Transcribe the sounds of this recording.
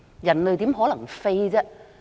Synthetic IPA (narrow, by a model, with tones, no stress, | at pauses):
jɐ˨˩nlɵ˨˧jt̪iː˨˥mɦɔː˨˥lɐ˨˩ŋfe˥jt͡sɛː˥